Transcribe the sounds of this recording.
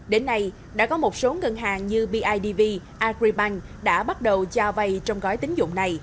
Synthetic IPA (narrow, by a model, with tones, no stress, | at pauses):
ɗe˨˦nːa˧j | ɗa̰ː˧˥kɔ˨˦mo˨˩t̚so˨˦ŋə˨˩nɦaː˨˩ŋɲɨ˧ɓi˧ʔaː˧jɗi˧vi˧ | ʔaː˧kɹi˧ɓa˧ŋ | ɗa̰ː˧˥ɓa˦˥t̚ɗə˨˩wt͡ɕaː˧va˧jt͡ɕɔ˧wŋ͡mɣɔ˨˦jt̪ï˨˦ŋ̟zʊ̰˧˨ŋ͡mna˨˩j